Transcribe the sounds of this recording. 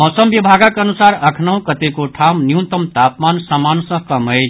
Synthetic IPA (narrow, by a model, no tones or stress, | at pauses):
ɦɔːsəmbibʱaɡakənusaɾɐkʰnəɦũkət̪ekoʈʰamnjũnt̪əmt̪apmansamansə̃kəməj